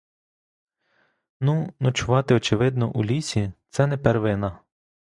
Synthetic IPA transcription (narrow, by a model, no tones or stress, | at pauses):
nunɔt͡ʃʊʋɑt̪ɪɔt͡ʃɪʋɪd̪nɔ̰ʔulʲisʲit̪sɛnɛpɛrʋɪnɐ